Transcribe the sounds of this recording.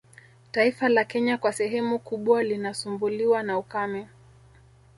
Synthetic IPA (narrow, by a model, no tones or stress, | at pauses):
taifalakɛɲakwasɛɦɛmukuɓwalinasumbuliwanaukamɛ